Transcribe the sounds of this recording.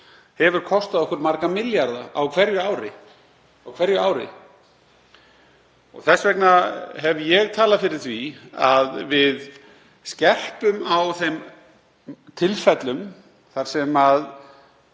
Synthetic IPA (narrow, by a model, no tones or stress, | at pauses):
hɛvʏɾ̥kʰɔst̪aðɔhkʏɾmaɾkamɪljaɾðaawkʰv̥ɛɾjʏaːwɾɪ̰ | awkʰv̥ɛɾjʏaːwɾɪ̰ | ɔ̰ɣθɛsːvɛknaɦɛvjɛɣt̪ʰaːlafɪɾɪɾ̥θviaðvɪð | scɛr̥pʏmawθejm | t̪ʰɪlfɛt̪lʏm | θaɾ̥sɛmað